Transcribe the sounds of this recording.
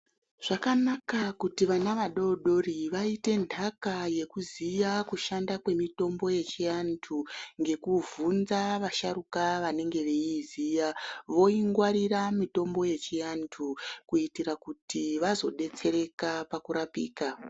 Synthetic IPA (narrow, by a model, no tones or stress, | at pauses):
ʐ̥akanakakutiʋanaʋaɗo̞ɗo̞riʋaite̞ndʱakaje̞kuzijakuʃandakwe̞mito̞mbo̞je̞t͡ʃijantʰuŋɡe̞kuvunzaʋaʃaɾukaʋane̞ŋɡe̞ʋe̞iziːjaʋo̞iŋɡwaɾiɾamito̞mbo̞je̞t͡ʃijantʰukuitiɾakutiʋazo̞ɗe̞t͡se̞ɾe̞kapakuɾapḭːka